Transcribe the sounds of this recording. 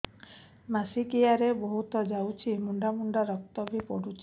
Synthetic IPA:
masikijaɾeboɦut̪ɔd͡ʒawt͡ʃʰimuɳɖamuɳɖaɾɔk̚t̪ɔbʱipɔɽut͡ʃʰi̥

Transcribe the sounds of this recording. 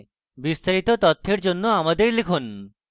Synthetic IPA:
bist̪aɾit̪ot̪ɔt̪ʰːeɾd͡ʑonːoamad̪eɾlikʰon

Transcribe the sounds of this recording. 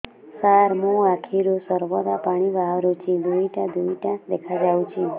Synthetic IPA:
saɾmũakʰiɾosəɾʋɔd̪apaɽ̃iʋaʋɾut͡ʃʰĩd̪ʱuiʈad̪ʱuiʈad̪ekʰad͡ʒaũt͡ʃʰi

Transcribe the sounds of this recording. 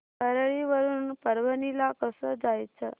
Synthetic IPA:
kəɾɭiʋəɾuːnpəɾʋənilakəsəd͡zajt͡sʰə

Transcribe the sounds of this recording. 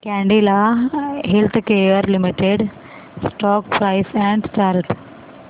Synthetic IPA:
kɛ̃ɳɖilaɦelt̪ʰkejəɾlimiʈeɖ | sʈɔːk̚pɾaɪsɛ̃ɳɖst͡ʃaːɾt̪

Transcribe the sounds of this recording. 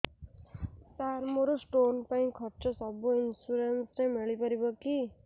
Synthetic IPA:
saːɾmoɾosʈoːnpɐĩkʰɐʈt͡ʃosɐboɪnsuɾensnemeɭipɐɾibəki

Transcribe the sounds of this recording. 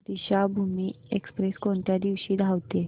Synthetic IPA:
d̪iɕabʱumiːekspɾeskoɳt̪jad̪iʋɕiːd̪ʱaʋt̪e

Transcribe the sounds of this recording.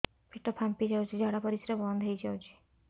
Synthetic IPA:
pʰiʈːɔpʰampid͡ʒawt͡ʃʰid͡ʒʱɔɽapɔɾisɾɔbɔnd̪ʱɦejt͡ʃʰawt͡ʃʰi̥

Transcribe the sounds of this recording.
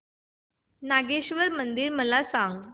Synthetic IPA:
naɡeɕʋəɾmənd̪iːɾməlasãŋɡ

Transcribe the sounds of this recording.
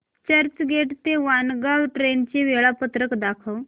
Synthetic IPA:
t͡ɕəɾt͡ɕɡʱeʈt̪eʋanɡaʋʈɾent͡ɕeʋeɭapət̪ɾəkd̪akʰəʋ

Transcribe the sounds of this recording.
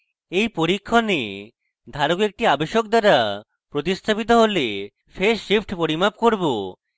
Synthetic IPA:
ejpoɾikʰːone | d̪ʱaɾokek̚ʈiabeʃok̚d̪aɾa | pɾot̪ist̪ʰapit̪̬oɦole | fʰeɾʃifʰʈʰpoɾimap̚koɾbo

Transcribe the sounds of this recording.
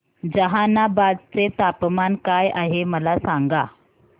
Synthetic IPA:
d͡ʑəɦanabad̪t͡set̪apmankajaɦeməlasaŋɡa

